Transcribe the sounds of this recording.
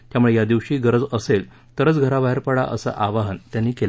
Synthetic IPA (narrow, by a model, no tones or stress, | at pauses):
t̪jamuɭejad̪iʋɕiːɡəɾəd͡zəsel | t̪əɾət͡sɡʱəɾabaɦeɾpəɽa̰ʔə̰sa̰ʔaʋaɦənt̪janːiːkel